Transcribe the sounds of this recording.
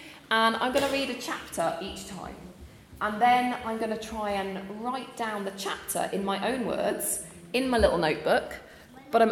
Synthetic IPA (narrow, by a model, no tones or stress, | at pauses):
ə̃nã̰ɪ̃mɡʌnəɹiːdət͡ʃʰap̚tʰəɹʔiˑt͡ʃtʰã̰ɪ̃m | ʔə̃nðə̃nã̰ɪ̃mɡʌnətʰɹ̥aɪə̃nɹaɪʔd̥ãʊ̃nðət͡ʃʰap̚tʰə̰ɹʔɪ̃nmaɪʔə̃ʊ̃nwɜ̰ːdz̥ | ɪ̃nmaɪlɪ̰ʔl̩ˠnəʊʔ̚b̥ʊk | b̥ʌɾãɪ̃